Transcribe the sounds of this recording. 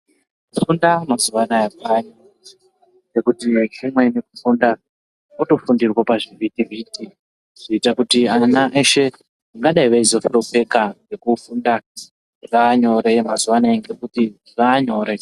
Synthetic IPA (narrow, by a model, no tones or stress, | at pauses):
fundamazuʋanaakaɲo | ŋɡe̞kutit͡ʃimwe̞nekufunda | uto̞fundirwapaʐivitiviːti | ʐ̥iːtakutianaʔeʃe̞ | aŋɡaɗaiʋaizo̞fiɾope̞kaŋɡe̞kufunda | ʐaːɲo̞ɾemazuʋanaeŋɡe̞kuti | ʐaːɲo̞ːɾe̞